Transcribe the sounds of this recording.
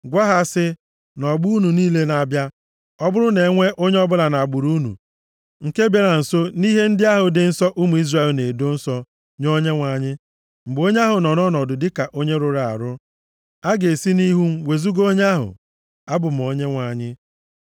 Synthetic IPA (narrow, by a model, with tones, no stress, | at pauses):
ɡʷa˦ɦa˦sɪ˦ | nɔ˨ɡ͡bu˦u˦nu˨niː˦le˦na˨bja˦ | ɔ˦bʊ˦ɾʊ˦ne˨˦ŋʷe˦ʔo˦ɲe˦ɔ˦bʊ˦la˨na˨a˨ɡ͡bʊ˨ɾu˦nṵ˨ | ŋ̩˨ke˦be˨ɾa˨n̩˨so˦ni˦ɦe˦n̩˦dɪ˦a˦ɦʊ˨dɪ˨n̩˦sɔ˦ʔu˦mu˨i˦zra˨e˨lne˨do˦n̩˦sɔ˦ | ɲo˦ɲe˦ŋʷa˨ɲɪ˦ | m̩˨ɡ͡bo˦ɲe˦a˦ɦʊ˨nɔ˨nɔ˦nɔ˨dʊ˨dɪ˦ka˨ʔo˦ɲe˦ɾʊ˨ɾa˨a̰˨ɾʊ˦ | a˦ɡe˨si˦ni˦ɦu˦m̩˦we˨zu˦ɡo˦ɲ˦a˦ɦʊ̰˨ | a˦bʊ˨m̩˨o˨˦ɲe˦ŋʷa˨ɲɪ˦